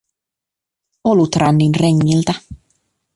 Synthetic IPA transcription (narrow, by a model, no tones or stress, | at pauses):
olut̪rʔɑnːinreŋːilt̪æ